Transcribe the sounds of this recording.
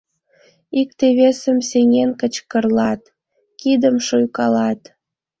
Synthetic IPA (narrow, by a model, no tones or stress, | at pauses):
ik̚t̪eβesəmseŋenkət͡ɕkərlɑt̪ | kid̪əmʃujkɑlɑt̪